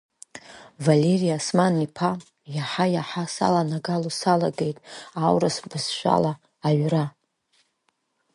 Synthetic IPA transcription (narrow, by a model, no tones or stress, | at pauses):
vale̞rijasmanːipʰa | jaħajaħasa̰lanaɡalusalaɡejtʼawɾasbɨzʃʷᶣa̰laː | ɥra